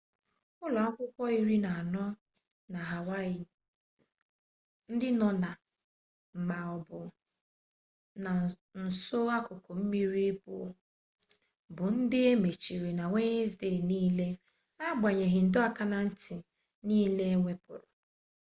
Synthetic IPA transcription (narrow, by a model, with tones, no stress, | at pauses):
ʊ˦lɔ˨a˦kʷʊ˦kʷɔ˦i˦ɾi˦na˨a˨nɔ˦ | na˨ɦa˨wa˦ɪ˨ | n̩˦dɪ˦nɔ˨na˨ | m̩˨ma˨ɔ˨bʊ˨ | na˨ | n̩˨so˦a˦kʊ˨ko˨m̩˦mi˦ɾi˦bʊ̰˨˦ | bʊ˨n̩˦dɪ˦e˦me˨t͡ʃi˨ɾi˨na˨ŋʷe˦ɲɪ˦zde˦˨niː˦le˦ | a˦ɡ͡ba˨ɲe˨ɦɪ˨n̩˨dʊ˦a˦ka˦na˨n̩˦ti˨ | niː˦le˦e˦ŋʷe˦pʊ̰˨ɾʊ˨